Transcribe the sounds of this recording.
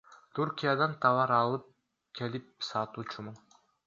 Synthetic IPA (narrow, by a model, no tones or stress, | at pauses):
t̪ʰuɾkʲijad̪ɑnt̪ʰɑvɑɾɑlˠɯp̚ | kʲʰelɪp̚sɑt̪ut͡ʃʰumʊn